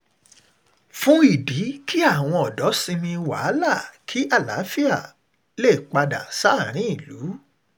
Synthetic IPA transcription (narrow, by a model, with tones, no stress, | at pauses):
fũ˦i˦˨di˨˦kʰi˦a˦˨w̃ɔ̃˧ɔ˨dɔ˨˦sĩ˧mĩ˧wa̰˨˦la˦˨kʰi˦ʔa˦˨la̰˨˦fi˦a˦˨ | le˦˨k͡pa˧da̰˨sa˦˨ɾ̃ĩ˨˦i˦˨lu˨˦